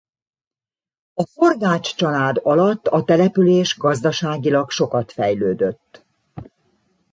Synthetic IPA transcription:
ɒfo̞rɡaːt͡ʃt͡ʃɒlaːd̪ɒlɒt̪ːɒt̪ɛlɛpyleːʒɡɒzd̪ɒʃaːɡilɒkʃo̞kɒt̪fɛjløːd̪øt̪ː

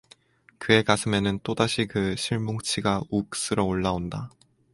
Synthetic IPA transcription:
kɯe̞kasʰɯme̞nɯnt͈odaɕʰikɯɕʰiɭmoŋt͡ɕʰiɡauk̚s͈ɯɾʌoɭːaonda

